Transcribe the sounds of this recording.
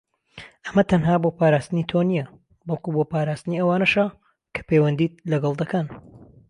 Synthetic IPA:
ʔɐmɐt̪ʰɐnɦaːbopaːɾaːst̪ɨniːt̪ʰonijɐ | bɑlˠkuboːpaːɾaːst̪ɨniɐwaːnɐʃa | kʰɐ̥peːwɐnd̪iːt̪̚lɐɡɐlˠd̪ɐkɐn

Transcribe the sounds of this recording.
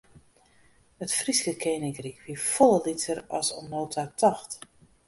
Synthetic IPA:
ətfriskəkʰeːnɪŋkrikʋifɔlˠəlitʰərɔ̰sɔ̰noːtʰatʰɑxt

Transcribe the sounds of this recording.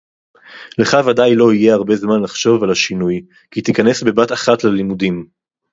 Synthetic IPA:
leχavadajlo̞ije̞aʁbe̞zmanlaχʃo̞valhaʃinuj | kit̪ikane̞sbe̞bataχatlelimudim

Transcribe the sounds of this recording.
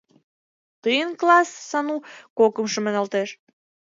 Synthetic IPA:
t̪əjənklɑsːɑnukokə̆mʃəmənɑlt̪eʃ

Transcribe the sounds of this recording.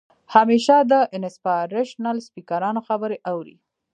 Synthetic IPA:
hameʃad̪əʔɪnɪspaɾeʃnalspikaɾɑnoxabəɾeʔawɾḭ

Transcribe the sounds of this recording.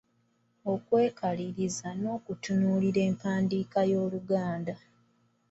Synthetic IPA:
o̞kwe̞ːkʰaliɾizano̞ːkutunuːliɾe̞ːmpaːndiːkajo̞ːluɡaːnda

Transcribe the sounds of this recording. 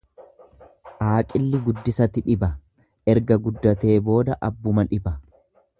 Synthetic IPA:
ʔaːkʼɪlːɪɡʊd̪ːɪsɐt̪ɪᶑɪbɐ | ʔɛɾɡɐɡʊd̪ːɐt̪e̞ːbo̞ːd̪ɐʔɐbːʊmɐᶑɪbɐ

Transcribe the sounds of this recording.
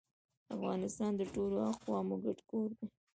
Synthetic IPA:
afɣɑnɪst̪ɑnd̪əʈoloɑxwɑmoɡaʈkoɾd̪e

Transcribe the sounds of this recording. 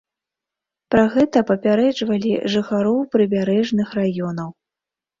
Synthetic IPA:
pɾaɣɛt̪ɐpɐpʲaɾɛd͡ʐvɐlʲḭʐɨxaɾɔwpɾɨbʲaɾɛʐnɨxrajɔnɐw

